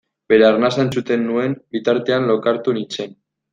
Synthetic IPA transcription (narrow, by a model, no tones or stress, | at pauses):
be̞ɾearnasaent͡sut̪e̞nːue̞nbit̪aɾt̪e̞anlokaɾt̪unit͡se̞n